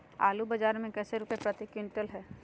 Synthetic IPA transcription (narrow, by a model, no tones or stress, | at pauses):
a̰ːlubɐd͡ʒaːɾmẽkɛːseɾukepɾət̪ɪkɪ̃ɳʈəlɦɛː